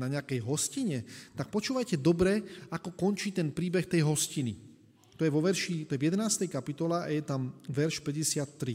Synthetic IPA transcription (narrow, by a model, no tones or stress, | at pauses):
naɲɛakɛjɦɔsciɲɛt̪ak̚pɔt͡ʃuːʋajcɛd̪ɔbɾɛakɔkɔnt͡ʃiːt̪ɛnpɾiːbɛxt̪ɛjɦɔscini | t̪ɔjɛʋɔʋɛɾʃit̪ɔjɛʋjɛd̪ɛnaːst̪ɛjkapit̪ɔlɛʔa̰jɛt̪amʋɛɾʃpɛɟɛsɪat̪ːɾi